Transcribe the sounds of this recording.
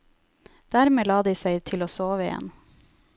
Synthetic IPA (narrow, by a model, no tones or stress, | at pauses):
d̪̥æɾmeːlɑːd̪iːsæɪt̪ʰɪloːsoːʋəɪjɛ̰n